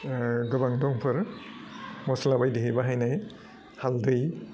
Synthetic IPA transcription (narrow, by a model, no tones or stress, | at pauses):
ɡɯbaŋdɔŋpʰɯɾ | mɔslabajdiɦɯjbaɦajnaj | haldɯj